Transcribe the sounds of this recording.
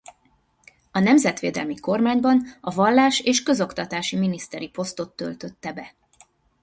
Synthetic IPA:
ɒnɛmzɛt̪ʋḛːd̪ɛ̰lmiko̞rmaːɲbɒnɒvɒlːaːʃeːʃkø̞zo̞kt̪ɒt̪aːʃiminist̪ɛɾipo̞st̪o̞t̪ːø̞̰lt̪ø̞t̪ːɛbɛ

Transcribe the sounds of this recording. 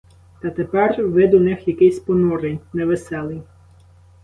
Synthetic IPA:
t̪ɐt̪epɛrʋɪd̪ʊnɪxjɐkɪjsʲpɔnuɾɪjʲnɛʋesɛlˠɪj

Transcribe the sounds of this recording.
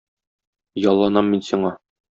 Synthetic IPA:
jɒlˠːɑnɑmːinsiɴɑ

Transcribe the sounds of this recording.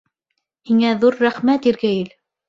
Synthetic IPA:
hiŋæðuɾːæχmæt̪iɾɡæjɘl

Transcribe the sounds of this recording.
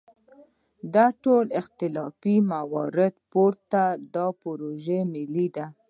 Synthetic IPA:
d̪aʈolɪxt̪ɪlɑfimawɑɾɪd̪poɾt̪ad̪ɑpoɾoʒemɪlid̪a

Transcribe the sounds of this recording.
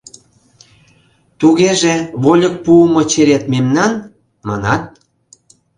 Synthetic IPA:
t̪uɣeʒeβolʲək̚puəmŏt͡ɕeɾet̪memnɑn | mɑnɑt̪̚

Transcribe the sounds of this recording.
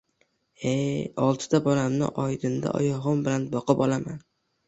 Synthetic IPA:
ejɒlˠt̪ʰɪ̥t̪ʰabɒlamnɪ̰ʔɒjd̪ɪnd̪a̰ʔɒ̰jɒʁɒnbɪlanbɒqʰɨpɒlˠaman

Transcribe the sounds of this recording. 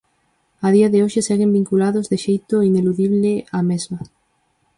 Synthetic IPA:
aðiaðɪoʃɪseɣembiŋkulaðozðɪʃejt̪oineluðiβlɪamezmɐ

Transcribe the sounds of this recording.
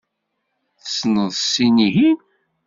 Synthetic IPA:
θəsnəðˤsiniɦin

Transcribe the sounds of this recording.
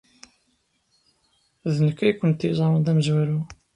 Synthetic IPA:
ðənəkːæjkʷːənt̪izˤɑɾˤənd̪æməzwæɾu

